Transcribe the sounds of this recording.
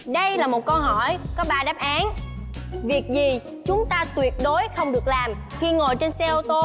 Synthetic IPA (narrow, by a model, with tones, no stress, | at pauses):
ɗə˧jlaː˨˩mo˨˩t̚kɔ˧nɦɔ˧˩jkɔ˨˦ɓaː˧ɗaː˦˥p̚ʔaː˨˦n | vi˨˩ək̚zi˨˩ | t͡ɕʊ˨˦ŋ͡mt̪aː˧t̪wi˨˩ət̚ɗo˨˦jxə˧wŋ͡mɗɨ˨˩ək̚laː˨˩m | xi˧ŋo˨˩jt͡ɕe˧nsɛ˧ʔo˧t̪o˧